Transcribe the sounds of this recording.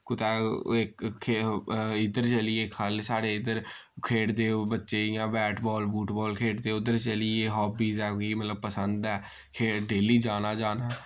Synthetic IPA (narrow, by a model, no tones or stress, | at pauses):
kʊt̪ɛːɪkʰ | ɪd̪əɾt͡ʃəlɪeːkʰːəlsaːɽeːɪd̪əɾ | kʰeːʈd̪eːbətːʃeːɪjãːbɛːʈbɔːlbuːʈbɔːlkʰeːʈd̪eːʊd̪əɾt͡ʃəlɪeːɦɔːbiːzɛːkoimət̪ləb̚pəsənd̪ɛː | kʰeːɖeːliːd͡ʒaːnaːd͡ʒaːnaː